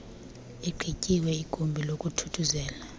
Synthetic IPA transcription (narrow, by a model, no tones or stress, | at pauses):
ɛǃʰʱicʼiwɛikʼumbʱilokʼutʰu̥tʰuzɛːla